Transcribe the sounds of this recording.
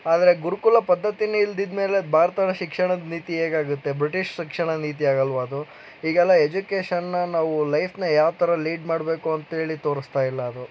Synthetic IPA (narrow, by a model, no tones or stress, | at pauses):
aːd̪ɐɾeɡuɾukulɐpɐd̪ʱːɐt̪ineild̪id̪me̞ːle̞bʱaːɾɐt̪ɐnɐʃikʂɐɳɐd̪niːt̪ieːɡaːɡut̪ːe̞bɾiʈiʂʃikʂɐɳɐniːt̪̬iaːɡɐlʋaːd̪u | iːɡɛlːɐe̞d͡ʒukeːʃɐnːɐnaːʋulɐjpʰnɐjaːʋt̪ʰɐɾɐliːɖmaːɽbe̞ːkuɐnt̪ɐɦe̞ːɭit̪oːɾist̪aːjilːɐːd̪u